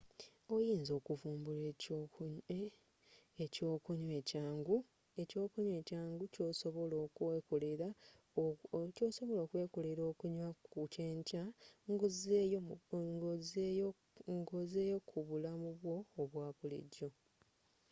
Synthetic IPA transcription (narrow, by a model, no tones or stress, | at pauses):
ojiːnzo̞ːkuvuːmbule | eco̞ːkuɲwe̞caːŋɡu | e̞co̞ːkuɲwe̞ːcaːŋɡuco̞soβoloːkekoleɾa | coːso̞βo̞lo̞ːkwe̞ːkoleɾo̞ːkuɲwauceːɲcaŋɡzjŋɡozejo | ŋɡozeːjo̞kʰuβulamuβwo̞ːβwaːβulḛɟːo̞